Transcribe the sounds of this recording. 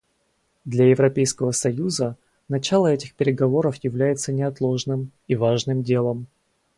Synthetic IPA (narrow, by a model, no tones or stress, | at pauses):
d̪lʲajɪvɾɐpʲejskəvəsɐjuzə | nɐt͡ɕalˠəɛtʲɪxpʲɪɾʲɪɡɐvo̞ɾəfjɪvlʲæjɪt̪sənʲɪɐt̪lˠo̞ʐnɨmivaʐnɨmdʲe̞lˠəm